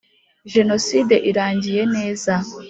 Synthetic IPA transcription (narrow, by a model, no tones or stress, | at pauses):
ʒe̞no̞side̞ʔiɾaːɲɟije̞ne̞ːza